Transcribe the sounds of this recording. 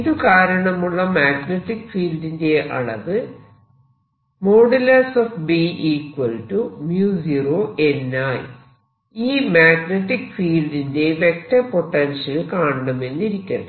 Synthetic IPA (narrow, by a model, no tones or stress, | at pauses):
iðukaːɾɐɳɐmuɭːɐmaːɡneʈːikfiːldinde̞ʔɐ̰ɭɐ̰ʋɨ | mo̞ːɽilɐsoːfbiʔiːkwɐlʈumjuːsiroːʔe̞nːaːj | iːmaːɡneʈːikfiːldinde̞ʋe̞k̚tɐpo̞ʈːɐnʂɐlkaːɳɐɳɐme̞nːiɾikʲːɐnɐ